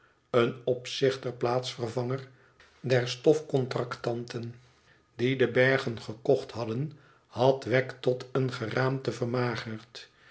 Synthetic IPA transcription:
ənɔpsɪχtəɹplaːtsfərvɑŋər | dɛɹstɔfkɔntrɑktɑntʰən | didəbɛɹχənχəkɔχtɦɑdən | hɑtʋɛktɔtənχəraːmtəvərmaːχəɹt

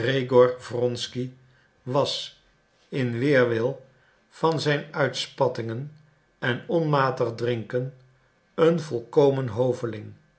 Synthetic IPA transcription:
rejɡɔrvrɔnski | ʋɑs | ɪnʋɪːɹʋɪlˠ | v̥ɑnzɛjnœɥtspɑtɪŋən | ɛnɔnmaːtəχdrɪŋkən | ənvɔlˠkowmənɦowvəlɪŋ

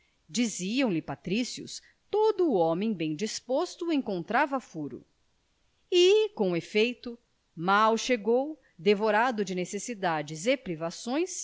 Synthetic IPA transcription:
d͡ʒiziɐ̃w̃lɪpat̪ɾisiʊ̰s | t̪od̪ʊːɔmẽj̃bẽj̃d͡ʒispost̪ʊẽkõnt̪ɾavɐfuɾʊ̰ | ɪkõefejt̪ʊ | mawʃeɡow | d̪evoɾad̪ʊd͡ʒɪnesesid̪ad͡ʒɪzepɾivasõj̃s

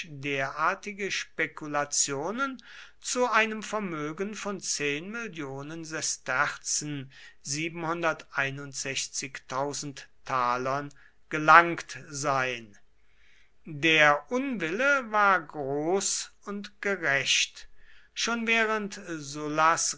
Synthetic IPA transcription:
deːɐʔaːɐtɪɡəʃpekulat͡sjoːnən | t͡suaɪnəmfɛɐmøːɡn̩fɔnt͡seːnmɪljoːnənzɛstɛʁt͡sn̩ziːbn̩hʊndɐtʔaɪnʊntz̥ɛçt͡sɪktʰaʊzn̩ttʰːaːlɐn | ɡ̥əlaŋktzaɪən | deːɐʔʊnvɪləvaːɐɡʁoːsʊntɡ̥əʁɛʃtʃoːnvɛːʁəntzʊlas

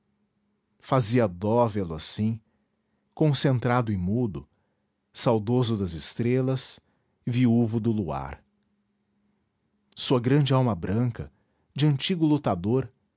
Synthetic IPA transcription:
faziɐd̪ɔvelʊasĩ | kõsẽnt̪ɾad̪ʊɪmud̪ʊ | sawd̪ozʊd̪ɐzɪst̪ɾelɐs | viuvʊd̪ʊlua̰ɾ | suɐɡɾɐ̃nd͡ʒɪawmɐbɾɐ̃kɐ | d͡ʒɪɐ̃nt͡ʃiɡʊlut̪ad̪oɾ

